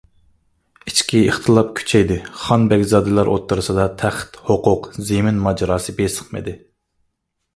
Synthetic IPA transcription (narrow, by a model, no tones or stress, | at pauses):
it͡ʃkʲʰiiχt̪ʰɨlˠɑp̚kʲʰy̥t͡ʃʰɛjd̪ɪχɑnbɛɡʲzɑːd̪ɨlˠɑɾʔo̰t̪ʰːɨɾɨsɨd̪ɑt̪ʰæχt̪hoqʊqzemɪnmɑd͡ʒɑɾɑːsɨbesə̥χmɨ̰d̪ɪ